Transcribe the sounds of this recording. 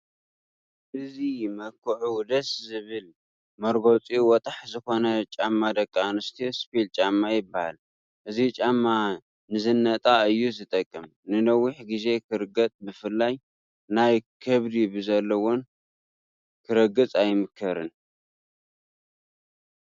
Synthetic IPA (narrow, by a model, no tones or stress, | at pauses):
ʔɨzimɐkʰːɨʕud̪ɐszɨβɨl | mɐɾɡo̞t͡sʼiwɔt̪ʼaħzɨxo̞nɐt͡ʃʼamːad̪ɐkʼːanɨst̪ʰispilt͡ʃʼamːajɪbaha̰l | ʔɨzit͡ʃʼamːa | nɨzɨnːɐt̪ʼaɨjːuzɨt̪ʼɐkʼːɨmnɨnɐwiħɡize̞kʰɨɾɨɡɐt͡s̪ʼbɨfɨlːaj | najkʰɨβd̪ibɨzɐlːɐwon | kʰɨɾɐɡɨt͡sʼajmɨkʰːɐɾɨn